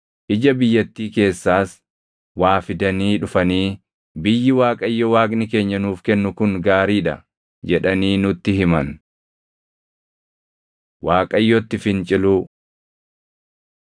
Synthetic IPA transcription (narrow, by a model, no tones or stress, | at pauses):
ʔɪd͡ʒɐbɪjːɐt̪ːiːke̞ːsːaːs | waːfɪd̪ɐniːᶑʊfɐniː | bɪjːɪwaːkʼɐjːɔwaːkʼnɪke̞ːɲːɐnuːfkɛnːʊkʊŋɡaːɾiːᶑɐ̰ | d͡ʒɛᶑɐniːnʊt̪ːɪɦɪmɐn | waːkʼɐjːɔt̪ːɪfɪnt͡ʃʼɪluː